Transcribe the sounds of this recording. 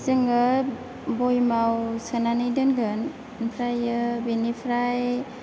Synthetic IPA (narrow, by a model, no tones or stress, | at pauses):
zɯŋɯ | bojmawsɯnanɯjdɯnɡɯn | npʰɾajɯbenipʰɾaj